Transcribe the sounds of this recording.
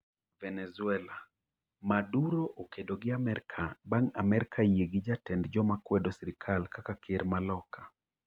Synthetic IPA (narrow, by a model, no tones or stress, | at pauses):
vɛnɛzʊɛla | maduɾoʔokedoɡɪamɛɾkʰabaŋa̰mɛɾkʰajeɡid͡ʒatɛndd͡ʒɔmakwɛdɔsiɾɪkʰalkakakʰeɾmalɔkʰa